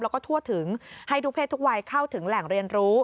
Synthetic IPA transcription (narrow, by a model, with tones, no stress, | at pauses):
lɛː˦˥wkɔː˥˩t̪ʰu˥˩ət̪ʰɯ˩˦ŋha˥˩jduː˦pʰeː˥˩t̪ʰːu˦˥k̚wa˧jkʰa˥˩wt̪ʰɯ˩˦ŋlɛ˨˩ŋɾi˧ənɾuː˦˥